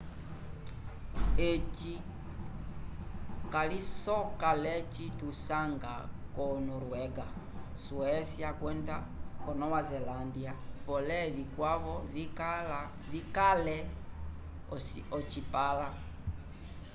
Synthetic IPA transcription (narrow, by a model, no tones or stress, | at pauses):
et͡ʃi | kalisɔkalɛt͡ʃitusaŋɡa̰kɔnɔɾuwɛɡa | suɛsiakwɛnda | kɔnɔwazɛlandiapɔlɛβikwaβɔ | vikalɛ | ɔt͡ʃipala